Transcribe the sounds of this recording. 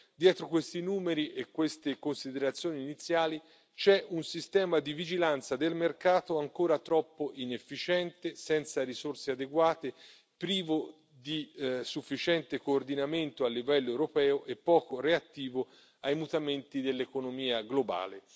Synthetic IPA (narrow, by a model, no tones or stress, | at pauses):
d̪jɛːt̪ɾokwest̪inuːmeɾiʔekːwest̪ekonsid̪eɾat̪sːjoːniːnit̪sːjaːli | t͡ʃɛʔunsist̪ɛːmad̪ivid͡ʒilant̪sad̪elmerkaːt̪oaŋkoːɾat̪ɾɔpːoʔinefːit͡ʃɛnt̪esɛnt̪saɾisorsead̪eɡwaːt̪e | pɾiːvo | d̪isufːit͡ʃɛnt̪ekoːrd̪inament̪oalːivɛlːoewɾopɛːoʔepːɔːkoreat̪ːiːvo | ajmut̪ament̪id̪elːekonomiːaɡloba̰ːle